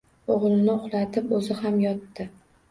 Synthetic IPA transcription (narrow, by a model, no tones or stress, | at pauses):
oʁlˠnɪʊχlˠat̪ʰɪpɵzɪhamjɒt̪ːɪ